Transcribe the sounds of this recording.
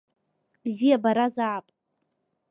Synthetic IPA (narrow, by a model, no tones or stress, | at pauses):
b̥zijabaɾazaʕapʼ